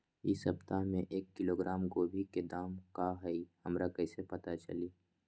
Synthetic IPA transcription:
ɪsɦəbt̪amẽʔeːkːɪloːɡɾaːmkobʱiked̪aːmkaɦɛihɐmɾakɛsepɐt̪at͡ʃɐ̰liː

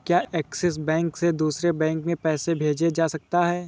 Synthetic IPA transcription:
kjaːʔɛːksɛs̬bɛ̃ːŋksed̪uːsɾebɛ̃ːŋkmẽpɛːsebʱeːd͡ʒed͡ʒaːsɐk̚t̪aɦɛː

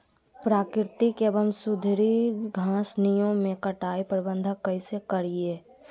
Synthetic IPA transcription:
pɾaːkɪɾt̪ikeːbəmsʊd̪ʱɾiɡʱãːsnijõmẽkəʈaːipəɾbə̃nd̪ʱakəisekəɾieː

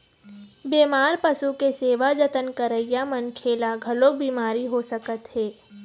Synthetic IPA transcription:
beːmaːɾpɐsukeseːʋad͡ʒət̪ənkəɾəɪjamɐnkʰeːlaɡʱɐlobiːmaːɾiɦosəkət̪ɦɛː

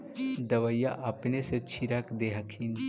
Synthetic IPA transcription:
d̪ɐʋɐjːaʔɐpneset͡ʃʰiɾakd̪eɦɐkʰiːn

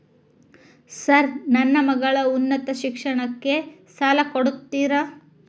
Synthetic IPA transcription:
sɐɾnɐnːɐmɐɡɐɭɐunːɐt̪ɐʃikʂɐɳɐkːe̞saːlɐkoɽut̪ːiːɾɐ

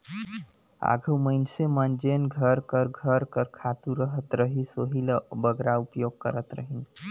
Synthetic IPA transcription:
a̰ɡʱuməɪnsemənd͡ʒenɡʱəɾkəɾɡʱəɾkəɾkʰat̪uɾəɦət̪ɾəɦisoɦilbəɡɾaupjoɡ̚kə̰ɾət̪ɾə̰ɦin

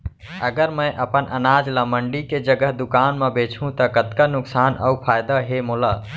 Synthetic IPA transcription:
əɡəɾmə̃jʔəpənʔə̰nad͡ʒləməɳɖiked͡ʒəɡəɦd̪ukaːnmẽbet͡ʃʰũt̪əkət̪kənʊksaːnə̰pʰajd̪əɦemola

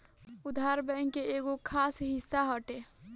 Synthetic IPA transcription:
ud̪ʱaɾbə̃ŋkeeɡokʰasɦisːaɦəʈe

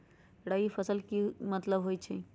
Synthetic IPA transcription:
ɽaifʰɐsəlkimɐt̪ləbɦoːit͡ʃʰe

